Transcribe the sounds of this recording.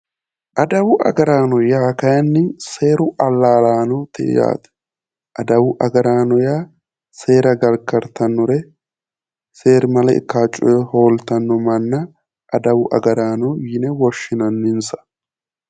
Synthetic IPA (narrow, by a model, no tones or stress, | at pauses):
ʔɐd̪ɐwʊʔɐ̰ɡɐɾaːnɔjaːkɐjɐnːɪse̞ːɾʊʔɐlːaːlaːnɔt̪ɛ̰ja̰ːt̪ | ʔɐd̪ɐwʊʔɐɡɐɾaːnɔjaː | se̞ːɾɐɡɐlkɐɾt̪ɐnːɔɾɛ | seːɾmɐlɐɪ̰kːaːt͡ʃʼːʊ̰jɛho̞ːlt̪ɐnːɔmɐnːɐ | ʔɐd̪ɐwʊʔɐ̰ɡɐɾaːnɔjɪnɛwɔʃːɪnɐnːɪnsɐ̥